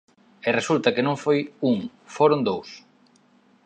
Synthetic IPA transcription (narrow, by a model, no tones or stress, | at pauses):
eresult̪ɐkɪnõŋfojuŋ | foɾond̪ows